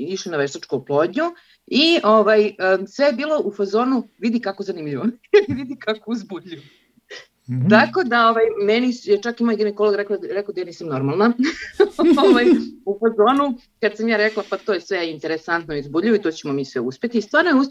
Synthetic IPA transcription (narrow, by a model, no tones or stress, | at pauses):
iʃlinaʋeʃt̪at͡ʂkouplˠo̞ːdɲu | ioʋajəsʋejebiːlˠo̞ʔufazoːnuʋid̪ikakozanimʎiʋoiʋid̪ikakouzbuʎu | ako̞d̪ao̞ʋajmenisjet͡ʃakimajɡenekolˠoɡɾɛklaɾɛkad̪ajaːniːsamno̞ɾmalˠna | oʋajufazo̞ːnu | kad̪samjaːɾeklˠapat̪ojesʋeint̪eɾesant̪noizbuʎioit̪ot͡ɕemomiːsʋeuspe̞t̪iːst̪ʋaːɾnojeu